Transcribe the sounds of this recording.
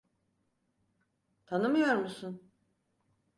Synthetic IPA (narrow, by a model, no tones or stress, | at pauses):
t̪ʰanɯmɯjoɾmusun